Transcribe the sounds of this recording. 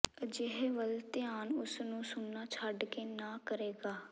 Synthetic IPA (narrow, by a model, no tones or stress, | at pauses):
d͡ʒɪɦeʋəlt̪ɪjaːnʊsnũːsʊnːaːt͡ʃʰaɖkeːnaːkəɾeːɡaː